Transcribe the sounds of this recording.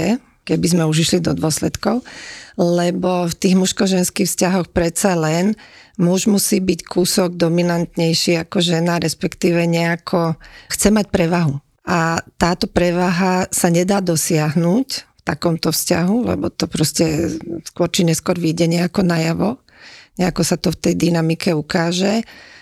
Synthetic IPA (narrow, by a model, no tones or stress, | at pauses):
ɛ | kɛbizmɛuʒiʃlid̪ɔd̪ʊɔslɛt̪kɔʊlɛbɔft̪iːɣmuʃkɔʒɛnskiːxfscaɦɔxpɾɛt̪salɛn | mɔʒmusiːbickʰuːsɔɡ̚d̪ɔminant̪ɲɛjʃiːakɔʒɛnaɾɛspɛkt̪iːʋɛɲɛakʰɔxt͡sɛmacpɾɛʋaɦu | at̪aːt̪ɔpɾɛʋaɦasaɲɛd̪aːd̪ɔsɪaɦnuːcft̪akɔmt̪ɔfsca̰ɦulɛ̰bɔt̪ɔpɾɔscɛskwʊɔɾt͡ʃiɲɛskʊɔɾʋiːɟɛɲɛakɔnajaʋɔ | ɲɛakɔsat̪ɔft̪ɛjd̪inamikɛukaːʒɛ